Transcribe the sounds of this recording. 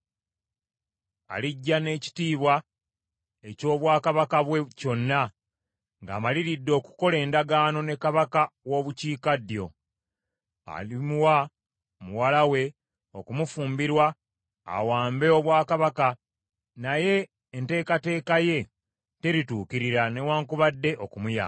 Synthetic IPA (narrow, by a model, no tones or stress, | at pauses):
a̰liɟːane̞ːci̥tiːβwa | e̞co̞ːβwaːkaβakaβweco̞nːa | ŋɡa̰ːmaliɾidːo̞ːkuko̞le̞ːndaɡaːno̞ne̞kaβakawo̞ːβuciːkadjo̞̰ | a̰limwa | muwalawe̞ | o̞kumufuːmbiɾwa̰ː | waːmbe̞oβwaːkaβaka | naje̞ː | nte̞ːkate̞ːkaje̞ | te̞ɾituːkiɾiɾane̞waːŋkuβadːe̞ʔo̞kumuja̰